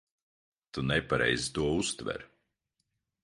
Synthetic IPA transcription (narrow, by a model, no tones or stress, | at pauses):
t̪unɛpaɾɛ̰jzit̪uɔust̪vɛ̰ɾ